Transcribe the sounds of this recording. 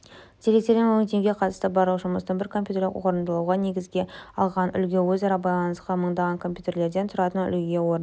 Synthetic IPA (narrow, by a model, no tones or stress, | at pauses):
d̪̥ʰeɾe̞k̚t̪e̞ɾmɪnwoŋt̪ʰe̞ŋɡʲe̞qʰɑt̪st̪əbɑɾlˠuʒʊməst̪əɴbɪɾkʰompʲjut̪e̞ɾlʲɪ̰kwoɾənd̪əlˠuwʁɑne̞ɡʲɪzɡʲe̞ɑlˠʁɑnʏ̰lɡʲe̞wɵzɑɾɑbɑjlˠɑnəsqɑməɴd̪ɑʁɑŋkʰo̞mpjut̪e̞ɾle̞ɾd̪e̞nt̪ʰʊɾɑt̪ənʏ̰lɡʲe̞wo̞ɾn